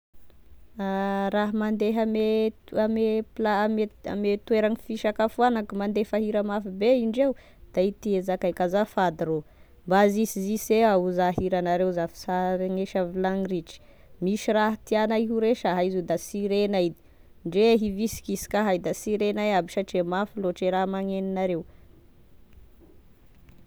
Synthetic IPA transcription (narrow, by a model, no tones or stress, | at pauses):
aɾaɦamand̪eɦameameplamea̰met̪weɾaŋifiʃakafuanakumand̪efaɦiɾamafibeiɳɖ͡ʐew | d̪̥ait̪iezakajkazafad̪iɾo | mbazisiziseauzaɦiɾanaɾewzafi̥saɾeŋeʃavilaŋriʈ͡ʂi̥ | miʃiraɦat̪ianaiɦuɾeʃaɦaizud̪asiɾenaid̪i̥ | ɳɖ͡ʐeɦivisi̥kisi̥kaɦajd̪asiɾenajabiʃaʈ͡ʂemafiloʈ͡ʂeɾaɦmaŋeninaɾew